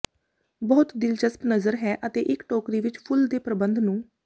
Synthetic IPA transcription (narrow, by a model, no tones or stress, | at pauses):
bɔːt̪d̪ɪlt͡ʃəspnəzəɾɦɛːʔət̪eːʔɪkʈoːkɾiːʋɪt͡ʃpʰʊld̪eːpɾəbənd̪nũː